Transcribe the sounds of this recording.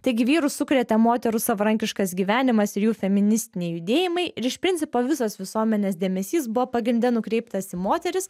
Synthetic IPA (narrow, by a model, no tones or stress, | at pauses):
t̪ɐɪɡʲɪʋʲiːɾʊsʊkɾʲɛt̪ʲɛmoːt̪ʲɛɾʊsɐʋɐɾɐŋʲkʲɪʃkɐsɡʲiːʋʲæːnʲɪmɐsɪɾjuːfʲɛmʲɪnʲɪsʲt̪ʲɪnʲɛɪjʊd̪ʲeːjɪmɐɪʔɪɾɪʃpʲɾʲɪnʲtsʲɪpoːʋʲɪsoːsʋʲɪsuɔmʲɛnʲeːsd̪ʲeːmʲɛsʲiːs̬bʊʋoːpɐɡɾʲɪnʲd̪ʲɛnʊkɾʲɛɪp̚t̪ɐsiːmoːt̪ʲɛɾʲɪs